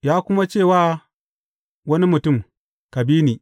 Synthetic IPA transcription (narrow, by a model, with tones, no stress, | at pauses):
jaː˦kʷʊ˦ma˦t͡ʃeː˦˨waː˦ | wɐ˦ni˦mʊ˨tʊ˦˨m | ka˨biː˦niː˨